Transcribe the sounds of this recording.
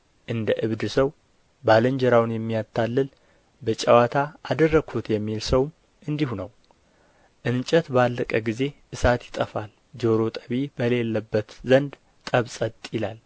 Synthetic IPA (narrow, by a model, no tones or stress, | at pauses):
ʔɨnd̪əʔɨβd̪ɨsəw | baləɲd͡ʒɛɾawnjɛmːijat̪ʰːalːɨl | bət͡ʃʼawat̪ʰaːd̪ərːəɡʰut̪jɛmːilsəwm | ʔɨnd̪ihunəw | ʔɨnt͡ʃʼət̪balːəkʼəɡize̞ʔɨsat̪jɪt̪ʼəfal | d͡ʒoɾo̞t̪ʼəβibəle̞lːəbːət̪zənd̪ | t̪ʼəβsʼət̪ʼjɪlal